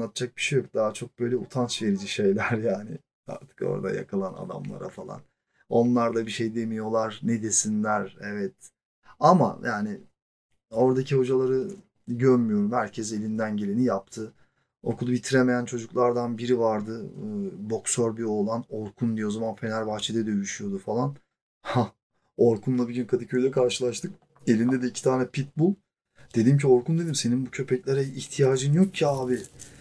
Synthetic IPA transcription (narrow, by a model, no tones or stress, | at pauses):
at̪̚d͡ʒak̚bi̥ʃejok̚d̪aɦat͡ʃʰo̞k̚bø̞jlʲɛut̪ʰanʃveɾid͡ʒiʃe̞jlʲæɾjaːnɪ̰ | a̰ɾt̪ʰɯ̥ko̰ɾd̪a̰ja̰kʰalˠana̰d̪a̰mlˠa̰ɾa̰falˠa̰n | o̞nlˠaɾd̪abiʃe̞jd̪e̞mijo̞lˠaɾned̪e̞sinlʲæɾɛvɛt̪̚ | ama̰jaːnɪ | o̞ɾd̪aciho̞d͡ʒalˠaɾɯ | ɟøɾmyjo̞ɾumhæɾcʰɛse̞lʲind̪ænɟelʲenijap̚t̪ʰɯ | o̞̰ɾkʰud̪ubit̪ʰiɾeme̞jænt͡ʃʰo̞d͡ʒuklˠaɾd̪anbiɾivaɾd̪ɯbo̞ksoɾbio̞lˠano̞ɾkʰund̪ijo̞zamanfenæɾbaxt͡ʃʰed̪ɛd̪ø̞jyʃyjo̞d̪ufalˠan | ha | o̞ɾkʰunlˠabiɟynkʰat̪ʰecʰoɾilʲɛkʰaɾʃɯlˠaʃt̪ʰɯk̚ | e̞lʲind̪ɛd̪ɛicʰi̥t̪ʰaːnɛpʰit̪̚bulˠ | d̪̥e̞d̪imcio̞ɾkund̪e̞d̪imse̞ninbucʰø̞pʰɛclʲeɾɛiçt̪ʰijaːd͡ʒɯnjo̞k̚cʰaaːbi